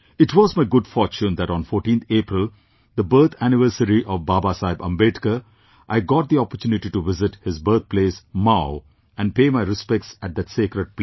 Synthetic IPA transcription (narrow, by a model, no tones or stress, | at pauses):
ɪʈʋɔːzmaɪɡʊɖfɔːɾt͡ʃũnd̪æʈɔ̃ːnfɔːɾʈĩːnt̪ʰeːpɾɪl | d̪əbəɾt̪ʰænɪʋəɾsəɾiʔɔʋbaːbaːsaɪbɐ̰̃mbeːʈkə | ʔaɪɡɔːʈ̚d̪iɔpəɾtjuːnɪʈiʈuʋɪzɪʈhɪzbəɾt̪̚pleːsmaʊ | æ̃nɖ̚peːmaɪɾɪspɛk̚ʈsæʈ̚d̪æʈseːkɾəɖ̚p